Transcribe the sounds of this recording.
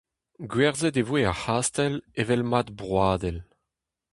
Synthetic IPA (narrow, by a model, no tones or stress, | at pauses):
ɡɥɛʁzɛd̪evweahaːst̪ɛlevɛlmad̪bʁwaːd̪ɛl